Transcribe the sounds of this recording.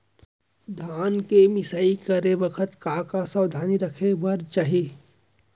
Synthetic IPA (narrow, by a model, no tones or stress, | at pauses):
d̪ʱaːnkemɪsaːikɐɾebɐkʰət̪kaːkasɐwd̪ʱaːniɾɐkʰebɐɾt͡ʃaːɦieː